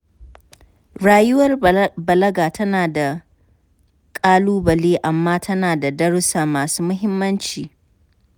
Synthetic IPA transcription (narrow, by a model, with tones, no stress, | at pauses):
ɽaː˦jʊ˦wɐ˦rbɐ˨lɐ˦ɡaː˨tʰɐ˦naː˨da˨ | kʼaː˦luː˦bɐ˨leː˦ʔa˨mːaː˦tʰɐ˦naː˨da˨dɐ˦ɽsaː˨maː˨suː˦mʊ˦ɦɪ˦mːɐ˦nt͡ʃiː˨